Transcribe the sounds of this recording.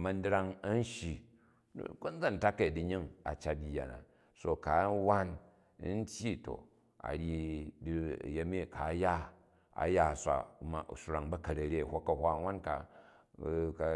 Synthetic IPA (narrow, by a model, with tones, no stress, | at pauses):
mɐ˦n˦dɾa˦ŋɐ˦n̩˦ʃḭ˨˦ | ku˦n˦d͡za˦˨n̩˨ta˦ke˨i˨di˨ɲi˦ŋa̰˨t͡ʃa˦t̚di˨ja̰˨na̰˨ | so˨ka˨˦wa˦n˦ | n̩˦tʲji˦to̰˨ | a̰˨ɾʲi˦d̰je˦mi˦˨kʰa˨˦ja˦ | a̰˨ja˦˨sʷa̰˨˦ma̰˨su˦ɾa˨ŋbɐ˦kɐ˨ɾɐ˨ɾʲe˦˨hʷo˦kːɐ˨hʷa˦wa˦nka˨ | ka˨